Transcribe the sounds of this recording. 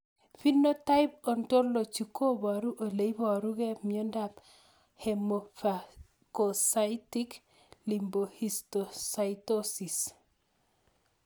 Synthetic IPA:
fi˦nːo˦ta˦i˦p̚o˨nto˦ɾlo˨t͡ʃi˨kʰo˦ba˨ɾu˦ʔo˨le˨ibɔ˨ɾu˦ɡe˦mi˨o˦ndap | hemofa | kosaitik | limbo˨histosaitosi˨s

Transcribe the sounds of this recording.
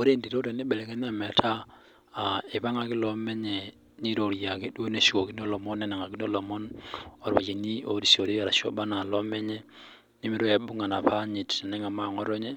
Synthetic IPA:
o˦ɾe˦ndi˨ɾo˦ɾe˨ne˦bɛ˨lɛ˨kɛ˦n˦a˦mɛ˨tʰa˦ | a˨e˨pa˦ŋa˨kɪ˦lɔ˦mɛ˦ɲɛ˨ | ni˦ɾo˨ɾja˨ke˨dwo˦ne˨si˨ko˨ki˦n˦o˦lɔ˨mɔ˦nɛ˦na˨ŋa˨ki˦n˦o˦lɔ˨mɔ˦nɔ˨ɾwa̰˨t͡ʃe˨ni˦o˨ɾi˨so˨ɾe˦a˨ɾa˨ʃɔ̰˦ba˦na˨lɔ˦mɛ˦ɲɛ˦ | ni˦mi˨˦ɾɔ˦ɛ˨bu˦ŋa˨na˨pa˦ɲi˨tnɛ˦ŋa˨ma˦˨ŋɔ˦ɾɔ˦ɲɛ˦

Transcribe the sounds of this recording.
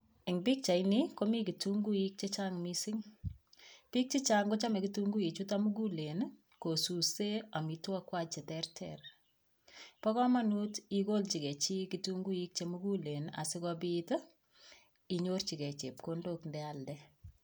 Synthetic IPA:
ɛ˨ŋbi˦k̚t͡ʃa˨inikomiki˨tuŋɡu˦i˦k̚t͡ʃet͡ʃaŋmisiŋ | pi˦k̚t͡ʃi˦t͡ʃaŋɡo˦t͡ʃa˦mɛ˨kituŋɡu˦i˨t͡ʃutamu˦ɡu˦le˨n | ko˨su˨sea˨mi˨twakwa˦t͡ʃe˨tɛrtʰɛ̰r | pɔ˦kɔ˦ma˦nutiko˦lt͡ʃi˨kɛ˨t͡ʃi˦kituŋɡu˦i˦k̚t͡ʃemu˦ɡu˦le˨na̰˨sɪ˦kɔbit | i˨ɲort͡ʃi˨kɛ˨t͡ʃe˨p̚kondo˦kndɛaldɛ

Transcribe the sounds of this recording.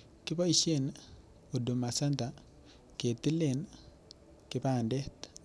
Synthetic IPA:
kɪ˦pɔ˦i˨ʃe˦n | o˨do˨ma˨sa˦nta˨ | ke˨ti˦le˨n | kɪ˦pa˨ndɛ˦t

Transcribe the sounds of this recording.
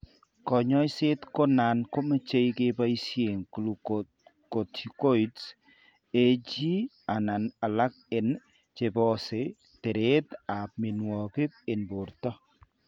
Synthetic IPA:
kɔ˨ɲɔ˦jse˦tko˦na˨nko˦ma˦t͡ʃe˦jke˦ba˦i˦sje˨ŋklu | ko˨tʰi˨ko˦i˨ts | e˦d͡ʒi˦ | a˨na˨na˨la˦k̚ɪ˨n | t͡ʃe˨bɔ˦se˨ | te˨ɾe˦ta˨p̚mi˨nwɔ˨kɪ˦p̚ɪ˨nbʊ˨ɾtɔ˦

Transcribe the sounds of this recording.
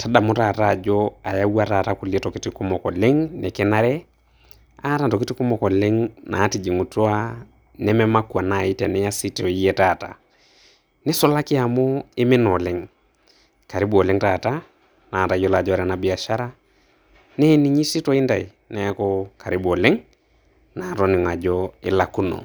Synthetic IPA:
tʰa˦da˨mʊ˦ta˨ta˦˨d͡ʒɔ˦a˨ja˦wa˦ta˨taku˨ljɛ˦tɔ˨ki˦ti˨ku˦mɔ˨kɔ˨le˦ŋnɛ˨kɛ˦na˦ɾɛ˦ | a˦ta˦ntɔ˨ki˦ti˦ku˦mɔ˨kɔ˨le˦ŋnʔa̰˨˦ti˨d͡ʒi˨ŋu˨to˦a˦ | nɛ˦mɛ˦ma˦kwa˨na˨i˦tɛ˨nɛ˦ja˦si˦tɔ˨i˦jɛ˦ta˨ta̰˨ | nɪ˦sɔ˦la˦kɪ˦a˨mʊ˦ɪ˦mɪ˦nɔ˨lɪ˦ŋ | ka˨ɾi˦bo˨lɪ˦ŋta˨ta˦ | na˨ta˨jɔ˦la˨d͡ʒɔ˦ɾɛ˨na˨bɪ˨a˨ʃa˦ɾa˦ | nɛ˦ni˨ɲi˦si˦tɔ˦ɪ˦nda˨i˨ | na˦kɔ˦ka˨ɾi˦bɔ˨lɪ˦ŋ | na˨tɔ˦nɪ˨ŋa˨d͡ʒɔɪ̰˦la˨ku˦no̰˨

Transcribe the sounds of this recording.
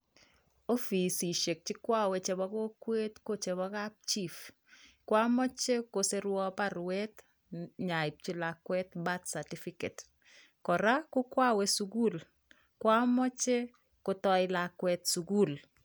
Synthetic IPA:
o˦fi˨si˨ʃe˨k̚t͡ʃɪ˦kwa˦wɛt͡ʃɛ˨bɔ˦ko˦kwe˦tko˦t͡ʃɛ˨βɔ˦kap̚t͡ʃi˦f | kwa˦mɔ˦t͡ʃe˦ko˨se˦ɾwɔ˦paɾwɛt | ɲa˨ɪ˨p̚t͡ʃi˦lakwɛ˦t̪ba˦t̪sa˨ti˦fikḛ˨t | kɔ˨ɾa˦kʊ˦kwa˦we˦suɡu˦l | kwa˦mɔ˦t͡ʃe˦ | ko˦tɔ˦ɪlakwɛtsuɡu˦˨l

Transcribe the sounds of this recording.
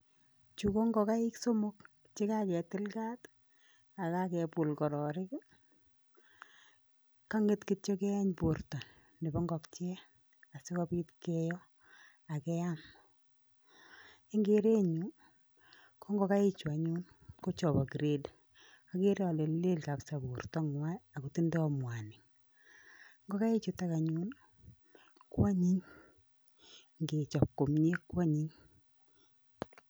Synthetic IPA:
t͡ʃu˨ko˦ŋɡɔ˨ka˦ɪ˦kso˦mo˦k̚ | t͡ʃe˦ka˦kɛ˨tɪ˦lka˦t | a˨ka˦kɛ˨pʊ˨lkɔ˨ɾɔ˨ɾɪ˦k | ka˦ŋe˦tki˦tɔ˦kɛ˦a˦ɲpo˨rta˨ | ne˨bɔ˦ŋɡɔ˨kt͡ʃɛ˦ | a˨sɪ˦kɔ˦pi˦tkɛ˦jɔ˦ | a˨kɛ˦am | e˦ŋɡe˦ɾe˦ɲu˦ | kʰo˦ŋɡɔ˦ka˦e˦t͡ʃu˨a˨ɲu˦n | ko˦t͡ʃɔ˨βɔ˨ɡi˨ɾe˦d | a˨˦ke˦ɾe˦ɔ˨le˨lle˦lka˨psa˨βu˨rtɔ˦ŋwa˦a˨ko˨ti˦ndɛ˦ɔ˦mwa˨nɪ˨ŋ | ŋɡo˦ka˦e˦t͡ʃu˨ta˦ka˨ɲu˦n | kwa˦ɲi˦ɲ | ŋɡe˨t͡ʃɔ˨kːo˨m˦ɲe˦kwa˦ɲi˦ɲ

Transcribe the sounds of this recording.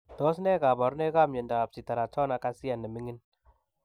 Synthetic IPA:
tɔ˦s̬nɛ˦ka˨bɔ˨ɾnɛ˦ka˦mɲɛ˨ndaː˨p̚si˨ta˨ɾa˨t͡ʃɔ˦na˨ka˦si˦a˨nɛ˨mi˦ŋi˦n

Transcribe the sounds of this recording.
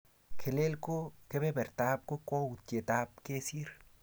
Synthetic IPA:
kʰe˨le˦lko˦ke˦bɛ˦bɛ˨ɾt̪a˦p̚ko˦kɔ˦u˨tje˨t̪a˦p̚ke˦si˦ɾ

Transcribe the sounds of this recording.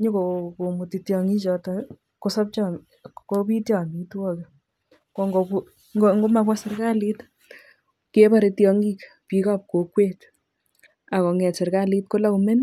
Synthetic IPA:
ɲo˦ko˨ko˨mu˨ti˨tjɔ˨ŋi˦t͡ʃɔ˨tɔ | ko˦sɔ˦p̚t͡ʃɔ˦ | ko˦pi˦tjɔ˨mi˨twɔ˦ke | ko˨ŋɡo˨ku˦ | ŋɡo˦ŋɡo˦ma˨pwa˦sɪ˨rka˦li˦t | ke˦ba˦ɾe˨tjɔ˧ŋɡi˦k | pi˨ka˦p̚ko˨kwe˦t | a˨kɔ˨ŋɛ˨tse˨ɾka˦li˦t̚ko˦la˦ku˨me˦n

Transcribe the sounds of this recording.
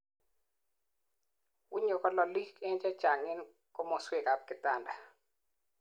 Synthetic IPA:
wʊ˦ɲo˨kɔ˦lɔ˨li˦ke˦nt͡ʃɛ˦t͡ʃa˨ŋɪ˦n | kɔ˦mɔ˨swe˨ka˨p̚kɪ˨ta˦˨nda˨

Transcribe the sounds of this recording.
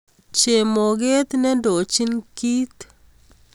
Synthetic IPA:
t͡ʃe˨mo˨ɡe˦t̪nɛ˦ndo˨t͡ʃi˦nki˦t̪

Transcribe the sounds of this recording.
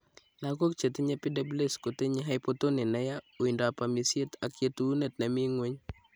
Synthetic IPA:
na˦ko˦kt͡ʃe˨tɪ˦ɲe˦pi˦da˦ble˦sko˨te˦ɲe˦ɦa˦ɪpo˦to˦nɪ˨nɛ˦ja˦o˨i˨ndo˨a˨pa˨mi˨sje˦ta˨kje˦tu˦ne˨tna˨mi˦ŋwe˦ɲ

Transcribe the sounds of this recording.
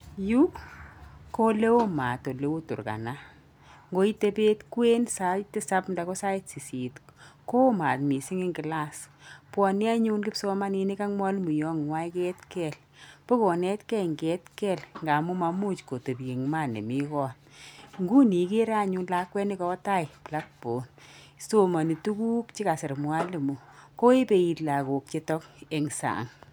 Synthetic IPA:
ju˦ | ko˦le˦o˦ma˨to˨le˦o˦tṵ˨ɾka̰˨na˦ | ŋɡo˦i˦te˧˦pe˦tkwe˦nsa˦tɪ˦sa˦pnda˨ko˦sa˦i˦tsi˨si˨tko˦o˦ma˨tmi˨si˦ŋɪ˦ŋɡɪ˨la˦˨spwɔ˧ni˦a˦ɲu˦nkɪ˦pso˦ma˦ni˧ni˦ka˦ŋmɔ˦lmu˨jɔ˦ŋwa˦jke˦tkɛ˨l | po˦kɔ˨nɛ˦tkɛ˦ŋɡɛ˦tkɛ˦lŋɡa˨mu˦ma˧mu˦t͡ʃko˨to˨pje˨ŋma˦˨nḛ˨mi˦kɔ˦˨n | ŋɡu˦ni˨˦ke˦ɾa˦ɲuː˦nla˨˦kwɛ˦ni˦kɔ˦ta˦jpla˦k̚bo˨n | so˦ma˨ni˨tu˦ku˦kt͡ʃi˦ka˨sɪ˨ɾmwa˦li˨mu˨ko˦e˦pe˧i˨tla˨ko˨k̚t͡ʃe˦tɔ˦ke˨ŋsa̰˨ŋ

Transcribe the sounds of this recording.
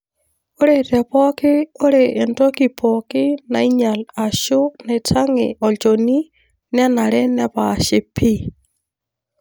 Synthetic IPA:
o˦ɾetɛ˨pɔ˦ki˦o˦ɾeʔːntɔ˦ki˨pʰɔki˦na˨i˦ɲa˨la˨ʃone˨tʰa˦ŋḛɔ˨t͡ʃoni˦ | nɛnaɾɛ˦nɛ˦βaʃe˨pʰi˦

